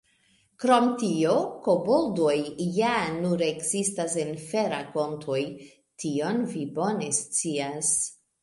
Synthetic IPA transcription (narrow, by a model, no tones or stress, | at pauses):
kɾo̞mtio̞ko̞boldo̞jːanuɾe̞kzistasenfe̞ɾako̞ntʰoj | tʰio̞nvibo̞ne̞st͡sias